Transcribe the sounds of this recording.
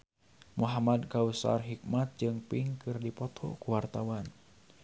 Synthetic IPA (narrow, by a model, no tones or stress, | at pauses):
muɦamadkausa̰rɦik̚mat̪̚d͡ʒɨŋpiŋkɨrdipɔt̪ʰɔ̰kuwart̪awan